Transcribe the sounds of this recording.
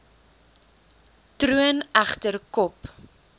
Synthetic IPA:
tɾuənæχtərkɔp

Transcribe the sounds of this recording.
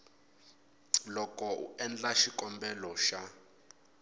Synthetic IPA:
lɔkɔṵɛnd͡ɮaʃikʼɔmbɛlɔʃa

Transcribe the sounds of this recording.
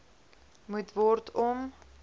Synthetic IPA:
mutvɔrtʰɔm

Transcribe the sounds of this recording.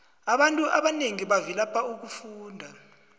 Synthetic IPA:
aɓantʼuʔaɓaneŋiɓavilapʰʼauk̬ufuːndʱa

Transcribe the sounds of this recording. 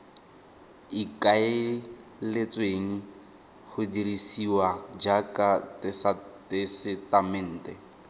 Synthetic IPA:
ikʼaɪlet͡sʼweŋ̩ | χʊdiɾisiwad͡ʒakʼatɪsatɪsɪtamɪn̩ːtʼɛ

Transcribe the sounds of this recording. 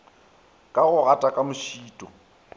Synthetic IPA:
kʼaɣʊɣatʼakʼamʊʃiːtʼɔ

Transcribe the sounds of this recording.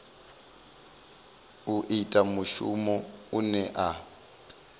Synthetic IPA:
uʔitʼamuʃṵmɔunɛʔa

